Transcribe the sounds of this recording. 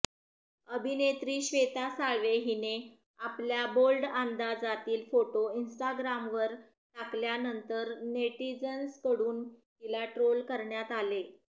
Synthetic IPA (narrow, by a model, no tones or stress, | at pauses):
əbʱinet̪ɾiːɕʋet̪asaɭʋeɦine | apljabolɖand̪ad͡zat̪iːlfoʈoinsʈaɡɾamʋəɾ | t̪akljanənt̪əɾneʈlid͡zənskəɽuːnɦilaʈɾolkəɾɳjat̪ale